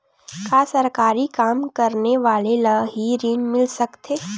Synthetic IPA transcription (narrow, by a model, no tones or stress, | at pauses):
kaːsɐɾkaːɾikaːmkɐɾneʋaːlelaɦiɾiːnmɪlsɐkt̪ʰeː